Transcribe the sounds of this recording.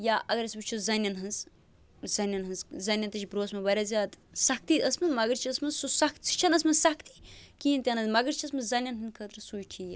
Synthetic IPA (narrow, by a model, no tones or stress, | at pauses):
jaːʔɐɡɐɾʲjɐsbɨt͡ʃʰuzɐnʲjɐnɦɐnz | zɐnʲɐnɦɐnzzɐnʲjɐnt̪ɐt͡ʃʰibɾoːsmɐbɐɾʲazʲaːt̪sɐk̚t̪iəsmɐnmɐɡəɾt͡ʃʰiɐsmɐnzsusɐkt̪sɨ̥t͡ʃʰɐnɐsmɐsɐkʰt̪ikiint̪ʲɐnɐzmɐɡɐɾt͡ʃʰiɐsmɐzɐnʲːɐnɦɨnkʰəːt̪ɾɐsuːjʈʰijɐ